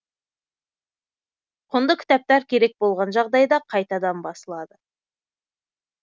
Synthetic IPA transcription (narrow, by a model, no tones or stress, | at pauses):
qʰʊnd̪əkʲʰɪ̥t̪ɑp̚t̪ɑɾkʲʰe̞ɾe̞k̚bo̞lˠʁɑnʒɑʁd̪ɑjd̪ɑqʰɑjt̪ɑd̪ɑmbɑsəlˠɑd̪ə